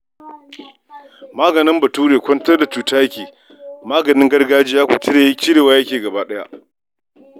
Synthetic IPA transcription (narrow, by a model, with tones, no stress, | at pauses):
maː˦ɡɐ˨nɪ˦mbɐ˨tuː˦ɽeː˨kʷɐ˦ntɐ˦rda˨t͡ʃuː˨taː˦jɐ˦kʲeː˨ | maː˦ɡɐ˨nɪ˦ŋɡɐ˦rɡaː˦d͡ʒi˦jaː˦kʷu˨t͡ʃɪ˦ɽeː˨˦kʲɪ˦ɽeː˨waː˦jɐ˦kʲeː˨ɡɐ˨baː˦ɗɐ˦ja̰˦ʔ